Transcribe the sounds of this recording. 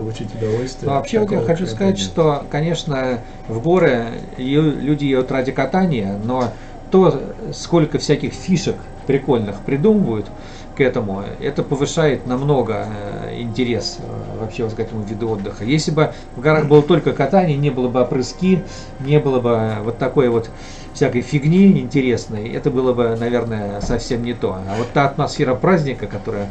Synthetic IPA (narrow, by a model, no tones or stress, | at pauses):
plˠʊt͡ɕitʲʊd̪ɐvolʲst̪vʲnovɐpɕːevot̪jaxɐt͡ɕuskɐzatʲʂt̪o̞kɐnʲe̞ʂnə | vɡo̞ɾəjlʲudʲɪjejʲʊt̪radʲɪkɐt̪anʲɪjəno̞ | t̪o̞sko̞lʲkəfsʲækʲɪxfʲiʂək | pɾʲɪko̞lʲnɨxpɾʲɪd̪uməvəjʊt̪ | kɛt̪əmʊ̰ɛ̰t̪əpəvɨʂajɪt̪nɐmno̞ɡəɪ̰nʲtʲɪɾʲe̞s | vɐpɕːevot̪kɛt̪əmʊvʲid̪ʊo̞d̪ːəxəjesʲlʲɪbɨ | vɡɐɾaxbɨlˠət̪olʲkəkɐt̪anʲɪjnʲe̞bɨlˠəbɨɐpɾɨskʲi | nʲe̞bɨlˠəbɨvo̞t̪ːɐko̞jəvo̞t̪ | fsʲækəjfʲɪɡnʲiɪnʲtʲɪɾʲe̞snəjɛ̰t̪əbɨlˠəbɨnɐvʲe̞rnəjəsɐfsʲe̞mnʲɪt̪o̞avo̞t̪ːaɐt̪mɐsfʲe̞ɾəpɾazʲnʲɪkəkɐt̪o̞ɾəjə